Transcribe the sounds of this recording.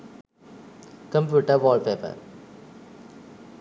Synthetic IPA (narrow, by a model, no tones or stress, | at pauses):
kə̃mpjuːʈəʋɔːlɖpeːpə̰ɾ